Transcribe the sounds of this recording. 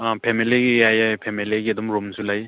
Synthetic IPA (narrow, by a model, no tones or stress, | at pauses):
pʰemiliɡiajajpʰemiliɡiɐdumɾumsulaj